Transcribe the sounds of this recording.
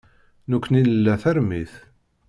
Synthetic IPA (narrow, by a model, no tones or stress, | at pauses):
nukʷːninəlːæθæɾmiθ